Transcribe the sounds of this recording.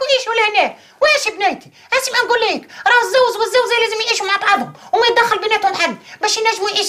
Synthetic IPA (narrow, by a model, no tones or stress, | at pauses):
jʕiːʃulæhnæː | wʔːʃibnæjt̪i̥ | ʔæsimʔænɡulːiːkɾˤɑːhɪzːæwzwɪzːæwzæjlæːzɪmjʕiːʃumaʕbɑʕd̪ˤhʊmwmæj̚d̪æxːɪlbɪnæːt̪hʊmħalːbæːʃɪnæʒːmujʕiːʃ